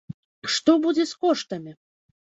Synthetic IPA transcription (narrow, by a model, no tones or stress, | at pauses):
ʂt̪ɔbud͡zʲɛskɔʂt̪ɐmʲi